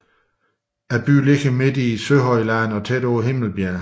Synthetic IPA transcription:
æb̥y̰ːle̝ɡ̥əme̝d̥isøɦɒ̽ɪlæn̩ɒ̽t͡sʰed̥oːɦe̝ml̩b̥jæɐ̰

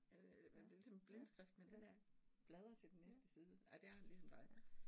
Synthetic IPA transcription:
æed̥e̝lisɒ̽mb̥lensɡ̥ʁɛfd̥men̥enæb̥lɛð̞ˠɐt͡sʰe̝ld̥enːesd̥əsiːð̞ˠəɑɪd̥e̝æɐhænlisɒ̽md̥ɑ̈ɪ̰

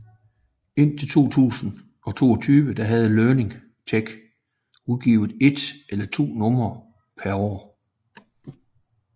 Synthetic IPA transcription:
e̝n̰t͡sʰe̝lt͡sʰo̝̰ːt͡sʰṵːsn̩ | ɒ̽t͡sʰo̝̰ːɒt͡sʰyːʋəd̥ɑ̈ɦæð̞ˠəlœːne̝ŋ | t͡sʰeɡ̥ | uðˠɡ̥ḭːʊð̩ˠe̝d̥elɐt͡sʰo̝̰ːnɔ̽mɐ | pʰæɐɒ̰ː

